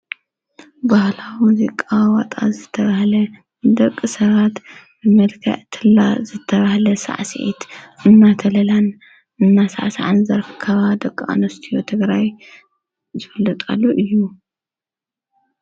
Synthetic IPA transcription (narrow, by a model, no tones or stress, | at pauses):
bahlawimuzikʼawwat̪ʼa̰zɨt̪ʰːɐβahlɐ | d̪ɐkʼːɨsɐβat̪ | bɨmɐlkʰɐ̰ʕt̪ʰɨlːazɨt̪ʰːɐβahlɐsa̰ʕsḭʔḭt̪ʔɨnːat̪ʰɐlɐlan | ʔɨnːasa̰ʕsaʕa̰nzɐɾkʰːɐβad̪ɐkʼːa̰nɐst̪ʰijot̪ʰɨɡɾaj | zɨfɨlːɨt̪ʼa̰lːoʔɨjːu